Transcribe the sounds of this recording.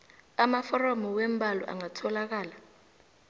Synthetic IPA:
amafɔrɔmɔwem̩bʱalɔ̰ʔa̰ŋatʰɔlak̬aːla

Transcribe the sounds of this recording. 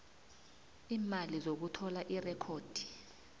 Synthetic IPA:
iːmalizok̬utʰɔlaʔirɛkʰoːd̥ʱi̥

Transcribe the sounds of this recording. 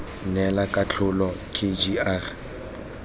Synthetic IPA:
nɛlakʼat͡ɬʰʊlɔkʰed͡ʒiar

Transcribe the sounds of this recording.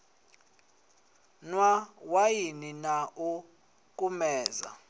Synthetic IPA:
nwawajininau | kʼumɛːza̰

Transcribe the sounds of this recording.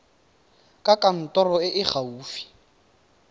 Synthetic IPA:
kʼakʼan̩tʼɔrɔɪʔɪχauːfi̥

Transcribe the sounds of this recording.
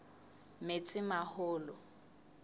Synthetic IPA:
met͡sʼɪmahʊːlɔ

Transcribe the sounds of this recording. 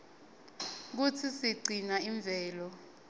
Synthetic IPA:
k̬ut͡sʰisiǀinaiɱb̪vʱɛːlɔ

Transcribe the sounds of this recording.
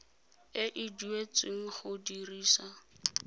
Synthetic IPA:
ɪʔɪduet͡sʼɪŋ̩χʊdiriːsa

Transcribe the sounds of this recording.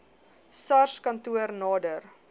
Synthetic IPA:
sɐrskɐntuərnɑːdər

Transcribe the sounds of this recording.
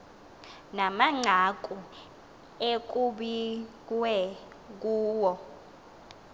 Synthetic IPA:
namaŋ͡ǀʱak̬ʼu | ek̬ʼuɓikʼwɛ | k̬uːwɔ

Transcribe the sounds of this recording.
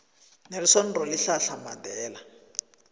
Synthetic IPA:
nerisɔn̩rɔliɬaɬamadɛːla

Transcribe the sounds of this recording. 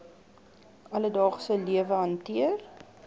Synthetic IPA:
ʔɐlədɑːχsəliəvəɦɐntiər

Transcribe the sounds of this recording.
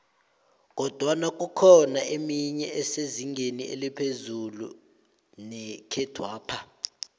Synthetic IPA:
k̬ɔd̥ʱwanak̬ʼukʰɔnaʔemiɲɛɛseziŋɡʱeniʔḛlipʰezulu | nɛkʰɛd̥ʱwaːpʰa

